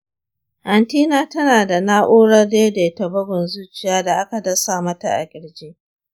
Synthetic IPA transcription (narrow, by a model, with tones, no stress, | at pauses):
hɐ˨ntiː˦naː˦tɐ˦naː˨da˨naː˦ʔoː˦ɽɐ˦rdeː˦deː˨tɐ˨bɐ˦ɡɪ˨nzuː˦t͡ʃɪ˨jaː˦da˨ʔa˦ka˨dɐ˦saː˨mɐ˦ta̰˨ʔa̰˨kʲʼɪ˨ɽd͡ʒeː˦